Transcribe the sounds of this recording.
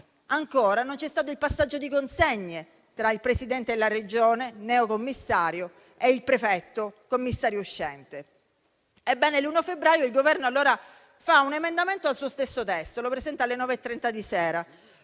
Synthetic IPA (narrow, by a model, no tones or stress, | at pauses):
aŋkoːɾanont͡ʃɛst̪aːt̪oilpasːad͡ʒːod̪ikonseɲːe | t̪ɾailpɾesid̪ɛnt̪elared͡ʒoːnenɛːokomːisːaːɾjo | eilpɾefɛt̪ːokomːisːaːɾjouʃːɛnt̪e | ɛbːɛːneluːnoafebɾaːjoilɡovɛrnoalːoːɾa | faunemend̪ament̪oalsuːost̪esːot̪ɛst̪olopɾezɛnt̪alːenɔːveɛt̪ːɾɛnt̪ad̪isɛːɾa